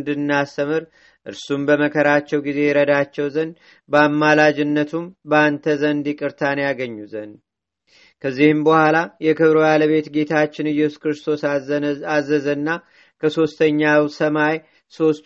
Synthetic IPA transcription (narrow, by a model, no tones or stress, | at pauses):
nd̪ɨnːast̪əmɨɾ | ʔɨ̰ɾsumbəməkʰəɾat͡ʃːɛwɡize̞jɛɾəd̪at͡ʃːɛwzənd̪ | bəamːalad͡ʒɪnːət̪ʰumbəant̪ʰəzənd̪ikʼɨɾt̪ʰanjaɡəɲːuzən | kʰəzːihɨmbəhʷalajɛkɨβɾojaləβe̞t̪ɡe̞t̪ʰat͡ʃːɪnɨjɛsuskɾɨst̪ʰo̞sazːəzənːa | kʰəso̞st̪ʰəɲːawsəmaj | so̞st̪